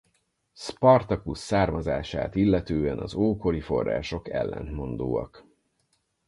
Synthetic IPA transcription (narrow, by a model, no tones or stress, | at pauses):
spɒrt̪ɒkusːaːrmɒzaːʃa̰ːt̪ilːɛt̪øːɛnɒzoːko̞lifo̞rːa̰ːʃo̞kɛ̰lːɛ̰nt̪mo̞nd̪oːɒ̰k